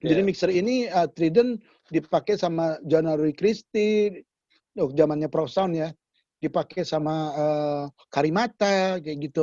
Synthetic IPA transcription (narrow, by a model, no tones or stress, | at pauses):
d͡ʒadimiksəriniət̪ɾidən | dipakejsamad͡ʒanaɾuikɾist̪i | d͡ʒamanɲapɾasaunja | dipakejsamaə | kaɾimat̪akɡit̪u